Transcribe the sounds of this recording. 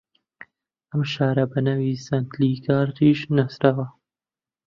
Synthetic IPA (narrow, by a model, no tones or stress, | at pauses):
ɐmʃaːɾɐbɐnaːwiːsɐnt̪liːkɑːɾt̪iːʃnasɾaːwɐ